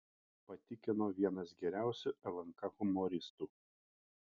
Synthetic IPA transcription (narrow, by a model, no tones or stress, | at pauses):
pɐt̪ʲɪkʲɪnoːʋʲiɛnɐsɡʲɛɾʲæˑʊsʲʊɛlˠɐŋkɐɣʊmɔɾʲɪst̪uː